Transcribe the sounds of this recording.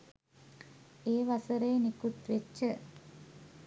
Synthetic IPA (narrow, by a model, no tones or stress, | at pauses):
eːʋɐsəɾeːnikut̪ʋet͡ʃːə